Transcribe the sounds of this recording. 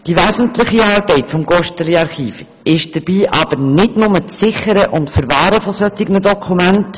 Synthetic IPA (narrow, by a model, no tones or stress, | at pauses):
d̥iʋæːzn̩tlɪχiɑːɾbɛɪtfɔmɡɔʃtəliɑɾχiːf | ɪʃd̥əɾb̥iːʔɑb̥əɾnɪdnʊmət͡st͡sːɪχəɾəʔʊntfəɾvɑːɾəfɔsœtːɪɡnədɔkʰumænt